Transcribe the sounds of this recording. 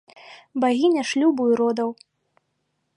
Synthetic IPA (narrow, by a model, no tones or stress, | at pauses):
baɣʲinʲaʂlʲubujuɾɔd̪ɐw